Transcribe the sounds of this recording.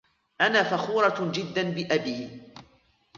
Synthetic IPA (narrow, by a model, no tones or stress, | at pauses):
ʔanaːfaxuːɾˤɑd͡ʒɪd̪ːanbɪʔabiː